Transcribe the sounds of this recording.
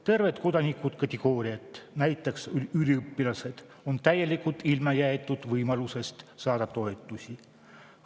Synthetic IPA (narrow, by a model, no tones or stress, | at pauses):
t̪e̞rve̞t̪ko̞d̪̥ɑnikˑud̪̥kɑt̪ʲeɡ̥o̞ːɾiɑt̪ːˑnæjt̪ːˑeksyylʲiɤpːilɑse̞d̪̥ | o̞nt̪æjːe̞likult̪ːilmɑjæet̪ːˑud̪̥vɤjmɑluse̞st̪sɑːd̪ɑt̪o̞e̞t̪ːˑusi